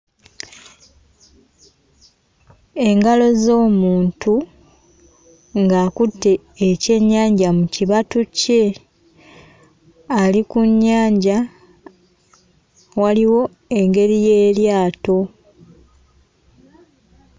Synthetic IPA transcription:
e̞ŋɡalo̞zo̞ːmuːntu | ŋɡaːkutːe̞ː | ce̞ɲːaːɲɟamuciβatuce̞ | alikuɲːaːɲɟa | waliwo̞ | e̞ŋɡe̞ɾije̞ːljaːto̞

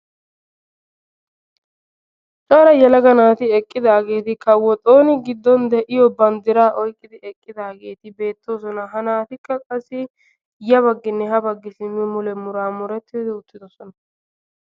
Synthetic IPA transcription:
t͡ʃʼaɾɐjɛlɐɡɐnaːt̪ɪɛkʼːɪd̪aːɡe̞ːt̪ɪkɐwːɔt̪ʼoːnɪɡɪd̪ːɔnd̪ɛʔɪjɔbɐnd̪ɪɾaːʔɔjkʼːɪd̪ɪɛkʼːɪd̪aːɡe̞ːt̪ɪbe̞ːt̪ːo̞ːsɔnɐɦɐnaːt̪ɪkːɐkʼɐsːɪ | jɐβɐɡːɪnːɛɦɐbɐɡːɪsɪmːɪmʊlɛmʊɾaːmʊɾɛt̪ːɪjɔd̪ɛʊt̪ːɪd̪ɔsɔnɐ

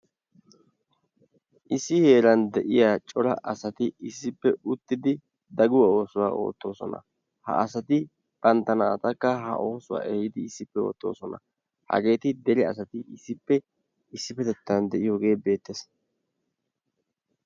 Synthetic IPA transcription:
ʔɪsːɪhe̞ːlɐnd̪ɛʔɪjaːt͡ʃʼɔɾɐ̰ʔɐsɐt̪ɪɪsːɪpːɛʊt̪ːɪd̪ɪ | d̪ɐɡʊwɐo̞ːsʊwaːo̞̰ːt̪ːo̞ːsɔ̰nɐ̰ | hɐ̰ɐsɐt̪ɪ | pʼɐnt̪ːɐnaːt̪ʼɐkːɐɦɐ̰ʔo̞ːsʊwa̰ːʔɛjɪd̪ɪːsːɪpːɛo̞̰ːt̪ːo̞ːsɔnɐ̰ | hɐ̰ɡe̞ːt̪ɪd̪ɛlɪɐsɐt̪ɪɪsːɪpːɛ | ɪsːɪpːɛt̪ɛt̪ːɐnd̪ɛʔɪjoɡe̞ːbe̞ːt̪ːes

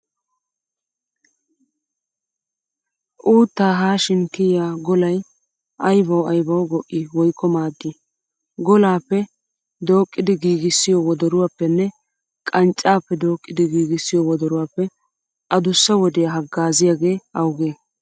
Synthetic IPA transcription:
ʔuːt̪ːaːɦaːʃɪnkɪjaːɡɔlɐj | ʔɐjbɐwɐjbɐwɡɔʔːɪwɔjkʰːɔmaːd̪ːi | ɡɔlaːpːɛ | d̪o̞ːkʼːɪd̪ɪɡiːɡɪsːɪjɔwɔd̪ɔɾʊwaːpːɛnːɛ | kʼɐnt͡ʃʼːaːpːɛd̪o̞ːkʼːɪd̪ɪɡiːɡɪsːɪjɔwɔd̪ɔɾʊwaːpːɛ | ʔɐd̪ʊsːɐwɔd̪ɛjɐɦɐɡːaːzɪjaːɡe̞ːɐwɡeː

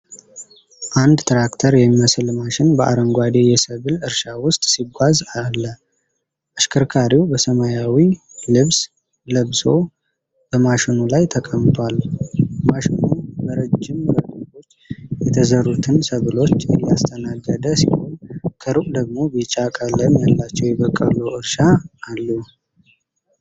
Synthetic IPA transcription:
ʔand̪t̪ʰɾakt̪ʰəɾjɛmːiməsɨlmaʃɪnbəʔa̰ɾəŋɡʷad̪ejɛsəβɨlɨɾʃawʊst̪ʼsiɡʷazalːə | ʔaʃkʰəɾkʰaɾiwbəsəmajawi | lɨβs | ləβso̞ | b̥əmaʃɪnulajt̪ʰəkʼəmt̪ʰwalːmaʃɪnunbəɾəd͡ʒːɪmɾəɡt̪o̞t͡ʃːjɛt̪ʰəzərut̪ʰɨnsəβɨlo̞t͡ʃːɛlːiast̪ʰənaɡəd̪əsḭho̞nkʰəɾɨkʼd̪əɡ̚mo̞bit͡ʃʼakʼələmjalːat͡ʃːɛwjɛβəkʼːə̰luɨɾʃaːlːu

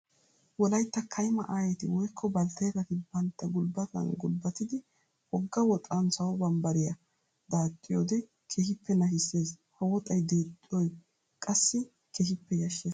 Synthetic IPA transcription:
wɔlɐjt̪ːɐkʰɐjmɐʔaːjɛt̪ɪwɔjkʰːɔbɐlt̪ɐjɡɐt̪ɪbɐnt̪ːɐɡʊlbɐt̪ɐ̰nɡʊlbːɐt̪ɪd̪ɪ | ɔɡːɐwɔt̪ʼɐnsɐwɔbɐmbɐɾɪjɐ | d̪aːt̪ʼːɪjo̰d̪ɛ | kʰeːhɪpːɛnɐʃɪsːe̞ːshɐwɔt̪ʼɐjd̪eːt̪ʼːɪɔj | kʼɐsːɪ | keːhɪpːɛjɐʃːeː

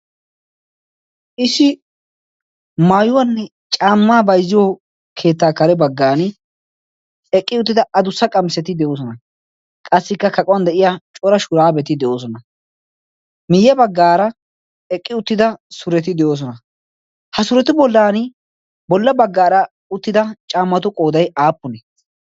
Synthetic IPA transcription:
ʔɪsːɪ | maːjʊwɐnːɛ | t͡ʃʼaːmːaːbɐjzːɪjo | kʰe̞ːt̪ːaːkɐɾɛbɐɡːaːnɪ | ɛkʼːɪʊt̪ːɪd̪ɐɐd̪ʊsːɐkʼɐmsɛt̪ɪd̪ɛoːs̬ɔnɐ | kʼɐsːɪkːɐkɐkʼɔwɐnd̪ɛʔɪjaːt͡ʃʼɔɾɐʃʊɾaːbɛt̪ɪd̪ɛʔo̞ːs̬ɔnɐ | mɪjɛbɐɡːaːɾɐ | ɛkʼːɪʊt̪ːɪd̪ɐsʊɾɛt̪ɪd̪ɛjo̞ːs̬ɔnɐ | hɐsʊɾɛt̪ɪbɔlːaːnɪ | bɔlːɐbɐɡːaːɾɐ | ʊt̪ːɪd̪ɐt͡ʃʼaːmːɐt̪ʊkʼo̞ːd̪ɐjaːpːʊnɛ

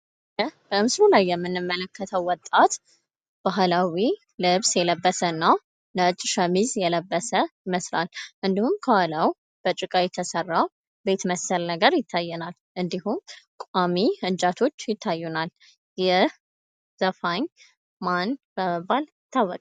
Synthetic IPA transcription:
əb̥əmɨslulajːɛmːɨnːɨmːələkʰːət̪ʰəwːɔt̪ʼat̪ | b̥aɦlawi | lɨβsjɛləbːəsənːa | nəɨt͡ʃʼʃəmizjɛləbːəsəjɪməslalʔɨnd̪ihumkʰəwalaw | b̥ət͡ʃʼɨkʼajɛt̪ʰəsərːaw | be̞t̪məsəlnəɡəɾjɪt̪ʰːajːɛnal | ʔɨnd̪ihumkʷʼamiɨnd͡ʒat̪ʰo̞t͡ʃːjɪt̪ʰːajːunal | jɛ | z̥əfaɲ | manb̥əməbːal | t̪ʰawːɔkʼ

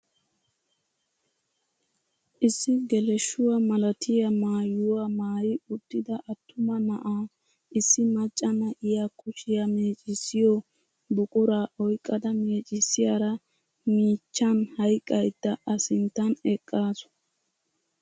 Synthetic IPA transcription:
ʔɪsːɪɡɛlɛʃːʊwamɐlɐt̪ʰɪjɐmaːjʊwamaːjɪʊt̪ːɪd̪ɐʔɐt̪ʰːʊmɐnɐʔaː | ɪsːɪmɐt͡ʃʼːɐnɐʔɪjakʰʊʃɪjɐmeːt͡ʃʼɪsːɪjɔ | bʊkʼʊɾaːʔɔjkʼːɐd̪ɐme̞ːt͡ʃʼɪsːɪjaɾɐ | miːt͡ʃːɐnhɐjkʼːɐjd̪ːɐʔɐsɪnt̪ːɐnɛkʼːaːsʊ̥

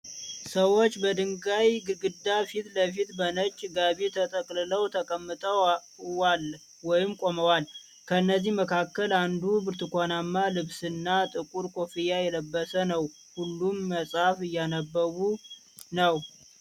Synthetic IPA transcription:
səwo̞t͡ʃːbəd̪ɨŋɡajɡɨɡɨd̪ːafit̪ləf̬it̪bənət͡ʃʼːɡaβit̪ʰət̪ʰʼəkʼlɨləwt̪ʰəkʼəmːɨt̪ʼəw | wal | wɔjɪmkʼo̞məwal | kʰəɨnːəzːihməkʰakːəland̪ubɨɾt̪ʰɨkʷʰanamːalɨβsɨnːat̪ʼɨkʼuɾkʰo̞fijajɛləbːəsənəw | hulːumːəsʼhafɨjːanəbːəwu | nəw

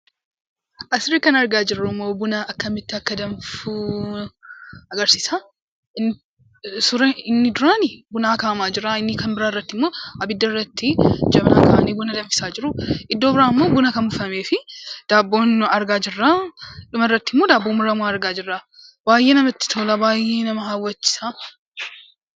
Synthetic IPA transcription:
ʔɐsɪɾiːkɐnɐɾɡaːd͡ʒɪrːʊmːo̞ːbʊnɐɐkːɐmɪt̪ːɪɐkːɐd̪ɐmfu | ɐɡɐɾsiːsa | ɪnː | sʊɾɐɪnːɪd̪ʊɾaːnɪbʊnaːkaːmaːd͡ʒɪɾaɪnːɪkɐnbɪɾaːɪrːɐt̪ːɪmːo̞ːɐbɪd̪ːɐrːɐt̪ːɪd͡ʒɐbna̰ːkɐ̰ːʔɐniːbʊnɐd̪ɐmfɪ̥saːd͡ʒɪɾʊʔɪd̪ːoːbɪɾaːmːo̞ːɡʊnɐkɐmbʊfɐme̞ːfɪd̪̥aːbːo̞ːnɐɾɡaːd͡ʒɪrːaːᶑʊmɐɪrːɐt̪ːɪmːoːd̪aːbːoːmʊɾɐmʊaɐɾɡaːd͡ʒɪrːabaːjːe̞ːnɐmɐt̪ːɪ̥t̪ʰoːlɐbaːje̞ːnɐmɐɦaːwːɐt͡ʃːɪ̥sa

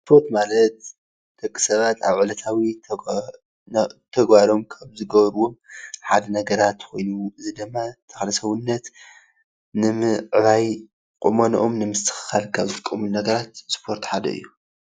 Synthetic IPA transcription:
sspʰo̞ɾt̪malɐt̪ | d̪̥ɐkʼːi̥sɐβat̪ʰa̰βʕɨlɐt̪ʰawi | t̪ʰɐɡbaɾo̞mkʰaβzɨɡɐβɾwo̞mħad̪ɐnɐɡɐɾat̪kʰo̞jnuɨzɨd̪ɨmːat̪ʰɐ̥xlɐsɐwɨnːɐt̪ | nɨmɨʕβaj | kʼumonoʔomnɨmɨst̪ʰɨ̥xɨ̥xalkʰaβzɨkʼːɐmunnɐɡɐɾat̪spʰo̞ɾt̪ħad̪ɐ̰ɨ̰jːu

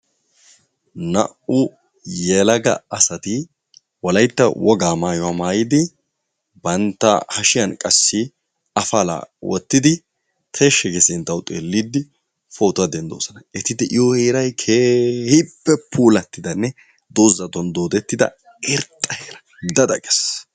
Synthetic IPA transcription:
nɐ̰ʔʔʊ | jɛlɐɡɐ̰ɐsɐt̪ɪ | wɔlɐjt̪ːɐwɔɡaːmaːjɔwamaːjɪd̪ɪ | bɐnt̪ːɐ̰hɐʃɪjɐnkʼɐsːɪ | ɐfɐla̰ːwɔ̰t̪ːɪd̪ɪ | t̪ʰeʃːɛɡɛsɪnt̪ːɐwt̪ʼeːlːid̪ːɪ | fo̞ːt̪ɐd̪ɛnd̪o̞̰ːsɐnɐɛt̪ɪd̪ɪʔɪjɔheːɾɐjkʰeːhɪpːɛpʰuːlɐt̪ːɪd̪ɐnːɛ | d̪oːzːɐt̪ɔnd̪o̞ːd̪ɛt̪ːɪd̪ɐ̰ | ɛɾt̪ʼːɐheːɾɐ | d̪ɐd̪ɐkʼɛ̥s

